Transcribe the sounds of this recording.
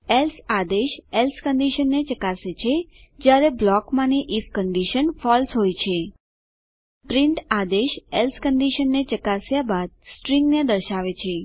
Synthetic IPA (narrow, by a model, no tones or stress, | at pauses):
elsad̪eʃelskəɳɖiʃənːet͡ʃəkaset͡ʃʰed͡ʒjaɾeblɔkmãneʔifkəɳɖiʃənfɔlsɦojt͡ʃʰe | pɾiɳʈad̪eʃelskəɳɖiʃənːet͡ʃəkasjabad̪̚sʈɾĩŋɡned̪əɾʃaʋet͡ʃʰe